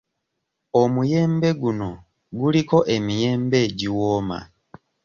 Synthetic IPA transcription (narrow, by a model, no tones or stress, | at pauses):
omuje̞ːmbe̞ɡuno̞ | ɡuliko̞ʔe̞mije̞ːmbe̞ːɟiwoːma̰